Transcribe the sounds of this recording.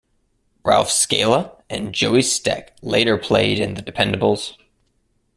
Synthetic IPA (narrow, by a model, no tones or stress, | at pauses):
ɹæ̰lˠfskeɪlˠəʔɨ̃nd͡ʒoʊistɪ̰kleɪɾə˞pʰl̥eɪɾɨ̃nðɨdɨpʰɛ̃ndəbl̩ˠz̥